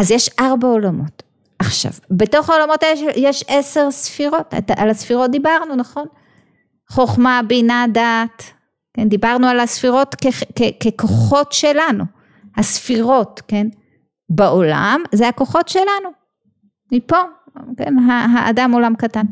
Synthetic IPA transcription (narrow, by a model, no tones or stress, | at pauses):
ʔazjeʃʔaʁbaolamo̞t | ʔaχʃa̰vbe̞to̞χaolamo̞tjeʃjeʃese̞ʁsfiʁo̞ttaʔalasfiʁo̞t̚d̪ibaʁnunaχo̞n | χoχmabinadat | kend̪ibaʁnualasfiʁo̞tkekekeko̞χo̞tʃe̞lanu | hasfiʁo̞tke̞n | beo̞la̰mzehako̞χo̞tʃe̞lanu | mipo̞ | kḛnɦaɦaʔa̰damo̞lamkatan